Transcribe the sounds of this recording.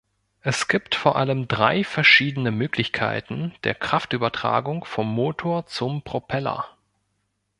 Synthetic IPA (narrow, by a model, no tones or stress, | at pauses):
ʔɛsɡ̥iːptfoːɐʔaləmdʁaɪfɛɐʃiːdənəmøːklɪçkʰa̰ɪtn̩d̥eːɐkʁ̥aftʔyːbɐtʁ̥a̰ːɡʊŋfɔmːoːtʰoːɐt͡sʊmpʁ̥opʰɛlɐ̰